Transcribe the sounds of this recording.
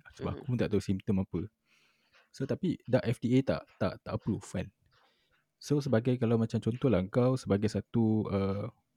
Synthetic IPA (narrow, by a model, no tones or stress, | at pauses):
səba̰kuŋt̪aʔt̪osimt̪əmapə | sot̪apidaʔɛfdiet̪a̰ʔt̪a̰ʔt̪aʔəpɾufã̰n | sos̬əbaɡajkalawmãt͡ʃamt͡ʃɔnt̪ɔhlaəŋkawsəbaɡajsat̪uə